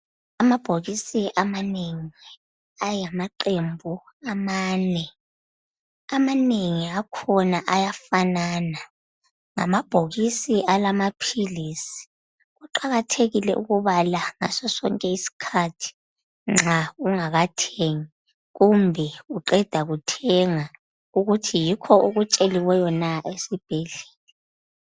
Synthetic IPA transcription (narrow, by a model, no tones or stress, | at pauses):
amab̥ʱoɣisiʔamaneŋi | ajamaǃembʱu | amaːnɛ | amaneŋiakʰɔnaʔajafanaːna | ŋa̰mab̥ʱoɣisiʔalamapʰiliːsi̥ | ɣuǃaɣatʰeɣilɛʔṵɣuβalaŋa̰sɔsɔ̰ŋkʼɛisi̥kʰatʰi̥ | ŋ͡ǁʱauŋaɣatʰeŋi | ɣumbʱɛuǃɛd̥ʱaɣutʰɛŋa | uɣutʰijikʰɔʔuɣut͡ʃʼeliwɛjɔnaesib̥ʱɛɮe̥ːlɛ